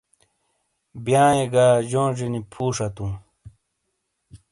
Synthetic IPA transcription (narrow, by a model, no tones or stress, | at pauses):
bjaːeɡaːʑoːʐinipʰuːʂat̪ũ